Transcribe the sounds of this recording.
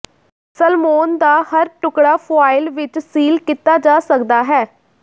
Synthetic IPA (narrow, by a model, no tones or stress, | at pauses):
səlmoːnd̪aːhəɾʈʊkɽaːpʰoaːɪlʋɪt͡ʃsiːlkit̪aːd͡ʒaːsəkd̪aːɦɛː